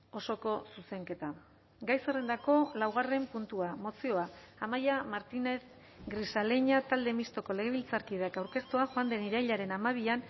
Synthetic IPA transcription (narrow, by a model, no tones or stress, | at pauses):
o̞so̞ko̞suse̞ŋke̞t̪a | ɡajsere̞nd̪ako̞lawɣ̞are̞mpunt̪uamo̞sio̞aamajamaɾt̪ine̞θ | ɡɾisale̞ɲat̪ald̪e̞mist̪o̞ko̞le̞ɣe̞β̞ilt͡saɾkið̞eakawɾke̞st̪uaxoand̪e̞niɾajʎaɾe̞namaβ̞ian